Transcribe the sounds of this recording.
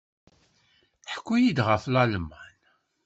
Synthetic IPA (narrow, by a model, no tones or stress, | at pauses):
ħə̥kʷːujid̪ʁəflɑlmːæn